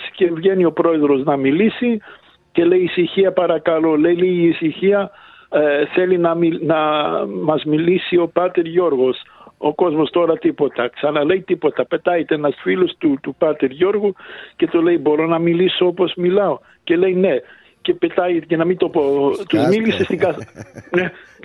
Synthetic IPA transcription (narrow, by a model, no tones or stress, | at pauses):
sce̞vʝe̞nio̞pɾo̞e̞ðɾo̞znɐmilisi | ce̞le̞jːsiçiɐpɐɾɐkɐlo̞le̞jliʝiːsiçiɐ | θe̞linɐminɐmɐzmilisio̞pɐt̪e̞ɾʝo̞ɾɣo̞so̞̰ko̞zmo̞st̪o̞ɾɐt̪ipo̞t̪ɐksɐnɐle̞jt̪ipo̞t̪ɐpe̞t̪ɐjet̪eenɐsfilost̪ut̪upɐt̪e̞ɾʝo̞ɾɣuce̞t̪ole̞jbo̞ɾo̞nɐmiliso̞opo̞zmilɐo̞ | ce̞le̞jne̞ | ce̞pe̞t̪ɐjt̪ece̞nɐmint̪o̞po̞t̪uzmilisest̪ikɐne